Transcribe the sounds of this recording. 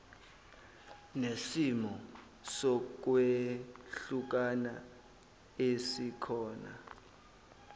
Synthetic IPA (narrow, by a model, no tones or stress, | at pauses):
nesimɔ | sɔk̬weɬuk̬ana | esikʰɔːna̰